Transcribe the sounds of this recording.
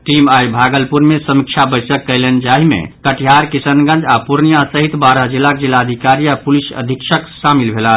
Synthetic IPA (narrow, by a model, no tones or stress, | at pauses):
ʈimajbʱaɡəlpuɾmesəmikt͡ʃʰabəjsəkːəjlend͡ʒaɦimḛkəʈʰijaɾkisənɡə̃nd͡ʒapuɾnijasəɦit̪baɾad͡ʒilːak̚d͡ʒilːaəd̪ʱikaɾijapulisə̰d̪ʱikʃʰəksamilbʱela